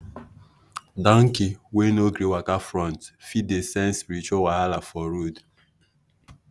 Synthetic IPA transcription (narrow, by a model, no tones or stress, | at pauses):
dɔŋ̩kiwenoɡɾiwakafɾɔ̃ntfidesɛ̃nspiɾit͡ʃawahalafɔɾud